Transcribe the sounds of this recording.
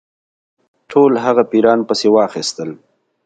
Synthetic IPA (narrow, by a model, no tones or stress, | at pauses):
ʈʰolɦaɣapiɾɑnpəsewɑxist̪əl